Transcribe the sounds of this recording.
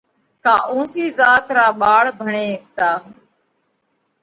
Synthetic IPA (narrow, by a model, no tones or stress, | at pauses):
kaːʔũːsiːzaːt̪ɾaːɓaːɭbʱəɳeːk̚t̪aː